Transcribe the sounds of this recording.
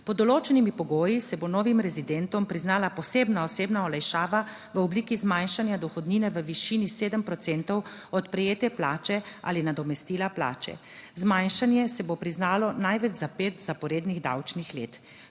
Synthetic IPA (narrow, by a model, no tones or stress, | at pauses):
pɔd̪ɔloːt͡ʃɛnimipɔɡoːjisɛbonɔːʋimɾɛzid̪ɛnt̪ɔmpɾiznaːlapɔseːbnaɔseːbnaɔlajʃaːʋa | ʋəɔbliːkizmajnʃanjad̪ɔxɔd̪niːnɛʋəʋiʃiːniseːd̪əmpɾɔt̪sɛnt̪ɔwɔt̪pɾɛjeːt̪ɛplaːt͡ʃɛa̰ːlinad̪ɔmɛst̪iːlapla̰ːt͡ʃɛ̰ | zmajnʃanjɛsɛbopɾiznaːlɔnajʋɛd͡ʒzapeːt̪zapɔɾeːd̪niɣd̪a̰wt͡ʃnixlḛːt̪